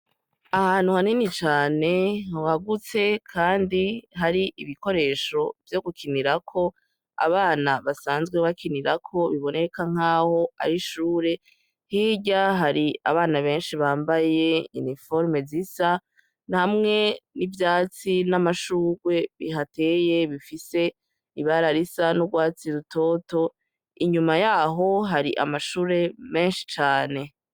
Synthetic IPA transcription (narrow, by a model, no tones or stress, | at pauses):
ahaːn̥huhaninit͡ʃaːne̞owaɡut͡se̞kʰaːndiɦaɾiʔiβiko̞ɾe̞ːʃo̞vjo̞ɡukʰiniɾakʰo̞ | a̰βaːnaβasaːnzɡwe̞βakʰiniɾakʰo̞βiβo̞ne̞kaŋ̥aːho̞a̰ɾiʃuːɾe̞ | hiːɟaɦaɾia̰βaːnaβe̞ːnʃiβaːmbaje̞ḭnifo̞ɾme̞zisa | nihamŋe̞nivjaːt͡sinamaʃuːɾwe̞βiɦate̞ːje̞βifise̞ | iβaɾaɾisanuɡwaːt͡siɾuto̞ːto̞ | iɲumajaɦo̞ɦaɾiʔa̰maʃuːɾe̞me̞ːnʃi̥t͡ʃaːne̞